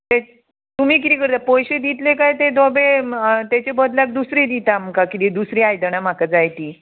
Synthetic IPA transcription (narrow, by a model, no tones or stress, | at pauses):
t̪e | t̪umiːk̬it̪ikəɾt̪apɔjɕed̪it̪lekajt̪ed̪ɔbet̪jat͡ɕebəd̪ljak̚d̪usɾed̪it̪amkakit̪id̪usɾiajd̪əɽ̃am̤akad͡zajt̪iː